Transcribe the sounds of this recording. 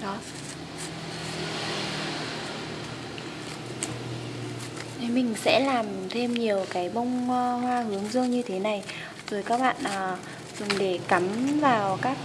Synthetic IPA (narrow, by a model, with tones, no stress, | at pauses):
ɗɔ˨˦˨ | ʔə˨˦mï˨˩ŋ̟sɛ̰˧˥laː˨˩mt̪ʰe˧mɲi˨˩əwkaː˨˦jɓə˧wŋ͡mhwaː˧hɨ˨˦əŋzə˧ŋɲɨ˧t̪ʰe˨˦na˨˩j | z̥o˨˩jkaː˦˥k̚ɓa̰ː˧˨nʔəː˨˩ | zʊ˨˩ŋ͡mɗe˧˩ka˨˦mvaː˨˩wkaː˦˥k̚